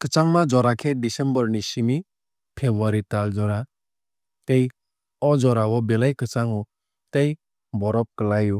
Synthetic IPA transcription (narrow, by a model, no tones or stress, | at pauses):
kət͡ʃaŋmad͡ʒɔɾakʰɛɖisɛmbɔɾnisimi | pʰebuaɾit̪ald͡ʒɔɾa | t̪ej | ɔd͡ʒɔɾawɔbelajkɯt͡ʃaŋɔ | t̪ej | bɔɾɔp̚kəlaju